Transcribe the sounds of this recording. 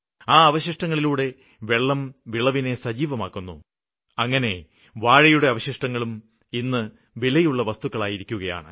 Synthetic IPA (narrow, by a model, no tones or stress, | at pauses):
aːɐʋɐɕiʂʈɐŋːɐɭiluːɽe̞ | ʋeɭːɐmʋiɭɐʋine̞sɐd͡ʑiːʋɐma̰ːkːunːṵ | ɐŋːɐne̞ | ʋaːɻɐjuɽe̞ɐʋɐɕiʂʈɐŋːɐɭum | inːɨ | ʋilɐjuɭːɐʋɐst̪ukːɐɭaːjiɾikʲːuɣɐja̰ːɳɨ̰